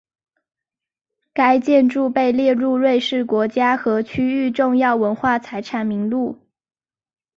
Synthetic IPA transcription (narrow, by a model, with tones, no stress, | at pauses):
ka˥ɪt͡ɕjɛ˥˧nʈ͡ʂu˥˧pe˥˧ɪljɛ˥˧ɻu˥˧ɻwe˥˧ɪʂɻ̩˥˩kwɔ˧˥t͡ɕja˥xɤ˧˥t͡ɕʰy˥y˥˧ʈ͡ʂʊ˥˧ŋjɑ˥˩ʊwə˧˥nxwa˥˩t͡sʰa˧˥ɪʈ͡ʂʰa˧˥nmi˧˥ŋlu˥˩